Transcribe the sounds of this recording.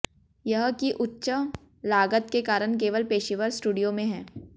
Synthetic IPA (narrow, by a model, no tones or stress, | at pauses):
jɐɦkiʔʊtːʃə | laːɡət̪kekaːɾəɽ̃keːʋəlpeːʃiʋəɾsʈuːɖijomẽɦɛː